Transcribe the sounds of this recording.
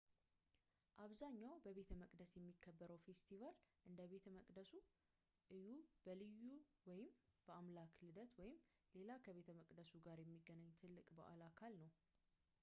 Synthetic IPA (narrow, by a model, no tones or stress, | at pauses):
ʔaβzaɲːawbəβe̞t̪ʰəməkʼd̪əsjɛmːikʰːəbːəɾəwfe̞st̪ʰivalʔɨnd̪əβe̞t̪ʰəməkʼd̪əsu | ʔɨjub̥əlɨjːuwɔjɪmb̥əamlakʰlɨd̪ət̪wɔjɪm | le̞lakʰəβe̞t̪ʰəməkʼd̪əsuɡaɾjɛmːiɡənaɲːt̪ʰɨlːɨkʼbə̰ʔalakʰalnəw